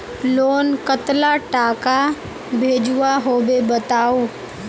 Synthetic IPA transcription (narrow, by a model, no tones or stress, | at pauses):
loːnkət̪laʈaːka | bʱeːd͡ʒuʋaɦoːʋebət̪aːuː